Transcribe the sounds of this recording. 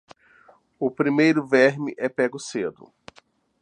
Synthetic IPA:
ʊpɾimejɾʊvɛɾmɪʔɛpɛɡʊsed̪ʊ̰

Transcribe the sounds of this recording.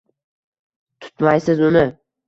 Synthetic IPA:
t̪ʰʊ̥t̪majsɪzʊnɪ

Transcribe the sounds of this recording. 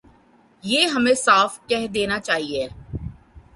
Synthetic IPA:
jeːɦɐmẽsaːfkɛɦd̪eːnat͡ʃaːɦieː

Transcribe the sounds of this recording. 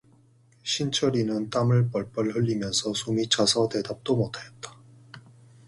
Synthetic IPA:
ɕʰint͡ɕʰʌɾinɯnt͈amɯɭp͈ʌɭp͈ʌɭɦɯʎːimjʌnsʰʌsʰumit͡ɕʰasʰʌde̞dap̚t͈omotʰajʌt̚t͈ḁ

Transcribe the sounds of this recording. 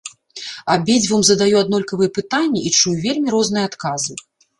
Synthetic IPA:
ɐbʲed͡zʲvumzɐd̪ajuad̪nɔlʲkɐvɨjɛpɨt̪anʲːɛit͡ʂujuvʲelʲmʲiɾɔznɨjɛat̪kazɨ

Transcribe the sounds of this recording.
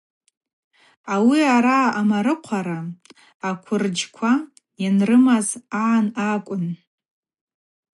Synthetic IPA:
awiaɾaːmaɾɨqʷʰaɾaː | kʷʰʊrd͡ʒkʷʰa | inrɨmazaːnakʷʼʊn

